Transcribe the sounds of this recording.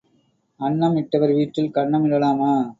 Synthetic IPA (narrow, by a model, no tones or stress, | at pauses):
ɐɳːɐmɪʈːɐʋɐɾʋiːʈːɪlkɐɳːɐmɪɽɐlaːmaː